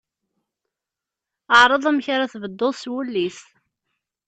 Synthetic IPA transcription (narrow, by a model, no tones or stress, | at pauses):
əʕɾˤəðˤæmçaɾaθvəd̪ːoðˤswulːis